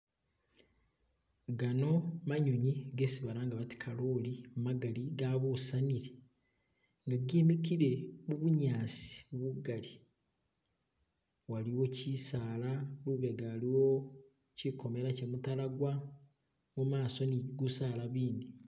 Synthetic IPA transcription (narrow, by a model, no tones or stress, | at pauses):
ɡano̞maɲoɲiɡe̞siβaɾaːŋɡaβati̥kʰalolimumaɡaliɡaβusaniɾe | ŋɡaɡimikiɾe̞muβuɲaːsi̥βuɡali | waliwo̞cisaːlaluβe̞ɡaːliwo | ciko̞me̞ɾacemutalaɡwa | mumaːso̞niɡusaːlaβiːnd̪i